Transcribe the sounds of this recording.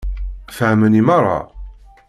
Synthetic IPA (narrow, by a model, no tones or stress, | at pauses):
fəʕmənimɑrˤːɑ̰